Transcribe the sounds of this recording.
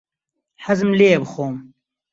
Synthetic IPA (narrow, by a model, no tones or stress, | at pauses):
ħɐzɨmleːebxoːm